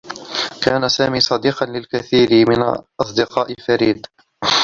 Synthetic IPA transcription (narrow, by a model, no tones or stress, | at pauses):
kaːnasaːmiːsˤɑd̪iːqɑnlɪlkaθiːɾɪmɪnʔɑsˤd̪ɪqɑːʔɪlfaɾiːd̪